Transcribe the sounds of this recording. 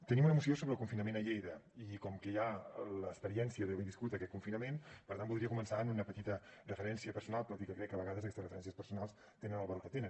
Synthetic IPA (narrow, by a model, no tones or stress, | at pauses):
t̪ənimunəmusiosoβɾəlˠkuɱfinəmenəʎejɾəikɔmkəjaləːspəɾiɛnsijəðəβejðiskut̪əkɛt̪̚kuɱfinəmenpəɾt̪anbulˠdɾiəkumənsaənunəpət̪it̪ərəfəɾɛnsiəpəɾsunalˠt̪ɔt̪ikəkɾɛkːəβəɣaðəzkɛst̪srəfəɾɛns̬ijəspəɾsunalˠs | t̪enənəlβəɾot̪ət̪enə